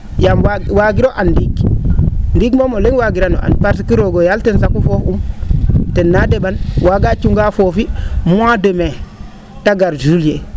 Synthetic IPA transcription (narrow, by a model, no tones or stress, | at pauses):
jamwawaɡiɾoʔandiɡ | ndiɡmomoleŋwaɡiɾano̰ʔa̰npaɾs̬ikiɾoɡojaltensakufofum | tenːadebanwaɡat͡ʃuŋɡafofimuademe | taɡaɾd͡ʒulje